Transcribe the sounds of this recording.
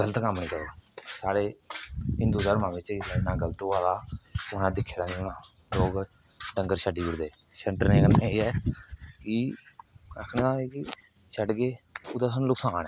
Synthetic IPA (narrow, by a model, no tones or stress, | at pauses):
ɡələt̪kəmːnĩːkəɾoːsaːɽeːɦɪnd̪uːd̪əːɾmãːmɪt͡ʃiɪnãːɡələt̪oːaːlaːʊnãːd̪ɪkʰːeːɽãːnĩːʊnãː | loːɡ | ɖə̃ŋɡəɾʃəɖiːbɪɽd̪eː | ʃəɳʈəɾnẽːɡəlneːiːɛːkɪ | əkʰnẽːãːeːkɪ | ʃəɖɡeːʊd̪aːsəñlʊksaːnɛː